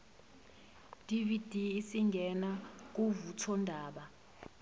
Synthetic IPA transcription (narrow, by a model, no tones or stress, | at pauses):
d̥ʱʼivid̥ʱiːsiŋɡʱɛnak̬uvutʰɔndʱaːɓa